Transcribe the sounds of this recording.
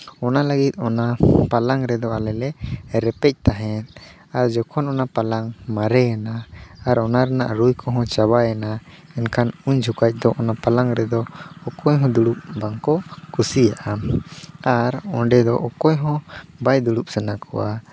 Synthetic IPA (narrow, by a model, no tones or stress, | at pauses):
ɔnaləɡit̪̚ˀɔnapalaŋɾɛd̪ɔalɛlɛɾɛpɛc̚ˀt̪aɦɛ̃t̪̚ | aɾd͡ʒɔkʰɔnɔnapalaŋmaɾɛjanaaɾɔnaɾɛna̰ʔɾujkɔɦɔ̃t͡ʃabajana | ɛnkʰanuɲd͡ʒʱukac̚d̪ɔʔɔnapalaŋɾɛd̪ɔːkɔjɦɔ̃d̪uɽup̚baŋkɔkʰusijaʔa | aɾɔɖɛd̪ɔʔɔkɔjɦɔ̃bajd̪uɽup̚sɛnakʰɔ̰wa